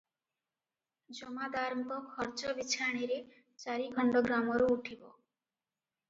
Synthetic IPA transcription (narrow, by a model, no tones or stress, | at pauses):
d͡ʒɔmad̪aɾɔŋkɔkʰɔɾt͡ʃɔbit͡ʃʰaɽ̃iɾe | t͡ʃaɾiɡʱɔɳɖɔɡɾamɔɾuuʈʰibɔ